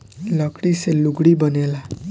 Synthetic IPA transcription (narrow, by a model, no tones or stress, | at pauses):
ləkɽiseluɡɽibənela